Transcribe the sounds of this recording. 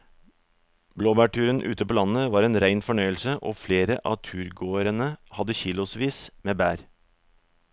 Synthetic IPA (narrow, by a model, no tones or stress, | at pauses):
bloːbæːʈʰʉːɾənʔʉ̰ːt̪əpoːlɑnəʋɑːɾeːnɾæɪnfɔɳœʏəlsəʔo̰ːfleːɾəʔɑ̰ːt̪ʰʉːɾɡoːəɾənəhɑd̪əçiːlʊsʋiːsmeːbæːɾ